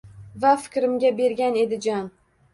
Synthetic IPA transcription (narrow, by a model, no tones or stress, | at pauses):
vafɪ̥kʲɾɪmɡʲabe̞ɾɡʲane̞d̪ɪd͡ʒɒn